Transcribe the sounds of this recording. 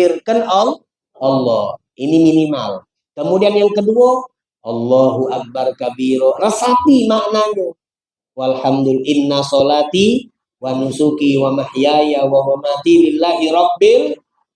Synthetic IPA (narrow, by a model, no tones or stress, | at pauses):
irkənɔl | ɑlːɔ̰h | ʔiniminima̰l | kəmudianjaŋkəduɔ | ʔɑlːɔɦuʔak̚barkabiɾɔrəsat̪imaʔnaɲu | walħamd̪ulʔɪnːasɔlat̪i | wanusukiwamaħjajawaɦwamat̪ilɪlːaɦiɾɑbːɪl